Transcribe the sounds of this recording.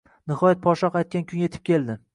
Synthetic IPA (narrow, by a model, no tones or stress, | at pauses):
nɪhɒjat̪̚pʰɒʃɒqajt̪̚kʲankʲʰʊnje̞t̪ʰɪ̥p̚kʲʰe̞ld̪ɪ